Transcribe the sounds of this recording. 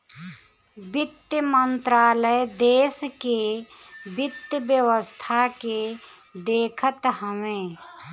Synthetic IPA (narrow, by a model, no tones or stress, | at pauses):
bɪt̪jəmənt̪ɾaːləjd̪eːske | bɪt̪ːjəbjəwəst̪ʰake | d̪eːkʰət̪ɦəmẽː